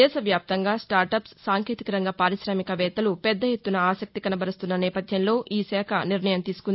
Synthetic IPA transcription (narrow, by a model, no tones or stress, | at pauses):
ɛːʃɐʋjaːp̚t̪ɐŋɡaːsʈaːɾʈɐpsːaːŋkʰeːt̪ikɐɾɐŋɡaːpaːɾisɾaːmikɐʋɛːt̪ɐlupɛd̪ːɐjet̪ːunɐaːsɐk̚t̪ikɐnɐbʱɐɾɐst̪unːɐnɛːpɐd̪ʱjɐnlo̞ːʔiːsɛːkʰɐniɾnɐjɐmt̪iːsu̥kund̪i